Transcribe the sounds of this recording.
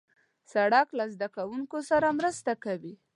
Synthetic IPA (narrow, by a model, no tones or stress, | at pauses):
saɽaklazd̪akawuŋkosaɾamɾəst̪akawi